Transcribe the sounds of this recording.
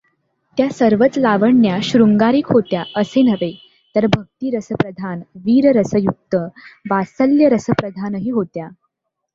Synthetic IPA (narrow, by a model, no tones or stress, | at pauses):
t̪jasəɾʋət͡slaʋəɳjaɕɾuŋɡaɾiːkɦot̪jaʔəsenəʋe | t̪əɾbʱək̚t̪iːɾəsəpɾəd̪ʱanʋiːɾəɾəsəjuk̚t̪əʋasəljəɾəsəpɾəd̪ʱanəɦiːɦot̪ja